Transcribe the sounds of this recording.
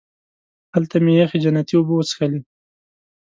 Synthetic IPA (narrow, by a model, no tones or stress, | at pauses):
halt̪amejaxid͡ʒanat̪iʊbuwət͡sxali